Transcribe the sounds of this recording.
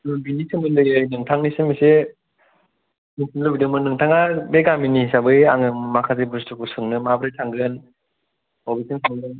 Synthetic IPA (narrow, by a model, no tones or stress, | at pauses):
nɯbinisɯŋɡɯndɯɡɯjnɯŋtʰaŋnisɯmise | nisɯnlɯbidɯŋmɯnɯŋtʰaŋabeɡaminisabɯjaŋɯɯmakʰazebɯstɯkʰusɯŋnɯmabɾɯjtʰaŋɡɯn | ɔbisʰɯŋsʰɯŋɯɯn